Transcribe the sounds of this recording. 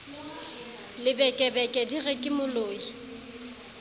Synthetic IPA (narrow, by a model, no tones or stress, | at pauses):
lɪbɛkʼɛbɛkʼɛdiɣɛkʼɪmʊloːi